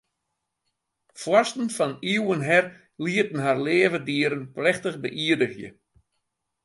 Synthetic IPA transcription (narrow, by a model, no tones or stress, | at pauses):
fwɔstn̩fɔniwənɦɛr | liətn̩ɦarleːvədiəɾənplɛxtəɣbəʔiədəɣjə̰